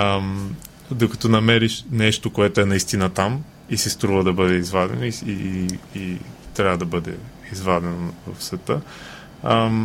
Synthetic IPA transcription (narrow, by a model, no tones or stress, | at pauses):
m | d̪okɐ̥t̪ɔnɐmɛɾiʃnɛʃt̪okoɛt̪oɛnɐist̪inət̪am | isist̪ɾuvəd̪ɐbɤd̪ɛizvad̪ɛ̰noiiit̪ɾʲavəd̪ɐbɤd̪ɛ̰ | izvad̪ɛnovɐ̰fsvɛt̪ə